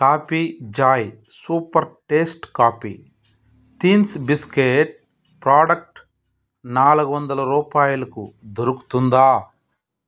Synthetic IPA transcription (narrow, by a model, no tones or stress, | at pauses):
kaːpiːd͡ʒaːj | suːpɐɾʈeːsʈkaːpḭː | t̪iːnsbiskeːʈ̚ | pɾaːɖɐk̚ʈ | naːluɡɐʋɐnd̪ɐlɐɾuːpaːjulɐkud̪oɾuku̥t̪und̪aː